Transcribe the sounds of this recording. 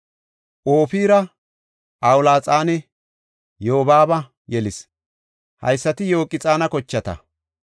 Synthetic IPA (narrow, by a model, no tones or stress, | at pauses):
ʔoːfiːɾɐ | ʔawʊlaːt͡sʼaːnɛ | joːbaːbɐ | jɛlɪs | hɐ̰jsːɐt̪ɪjo̞ːkʼːɪt͡sʼaːnɐkɔt͡ʃːɐt̪ɐ̰